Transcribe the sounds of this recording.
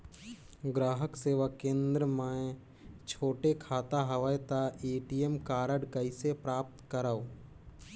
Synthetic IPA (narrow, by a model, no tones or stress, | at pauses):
ɡɾaːɦəkseːʋakẽːnd̪ɾəmã | t͡ʃʰoːʈekʰaːt̪aɦəʋəjt̪aʔeːʈijemkaːɾəɽkəisepɾaːp̚t̪kəɾao